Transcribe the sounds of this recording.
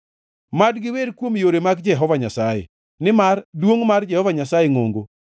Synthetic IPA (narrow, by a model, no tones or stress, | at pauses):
madɡɪwedkwomjoɾemaɡd͡ʒɛɦɔvaɲasajḛ | nɪmardwoŋmard͡ʒɛhɔvaɲasajeŋo̰ŋɡo